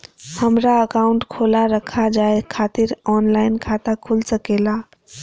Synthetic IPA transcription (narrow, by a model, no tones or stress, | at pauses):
həmɾaəkauɳʈkʰolaɾəkʰad͡ʒaekʰat̪iɾɔnlaɪnkʰat̪akʰulsəkela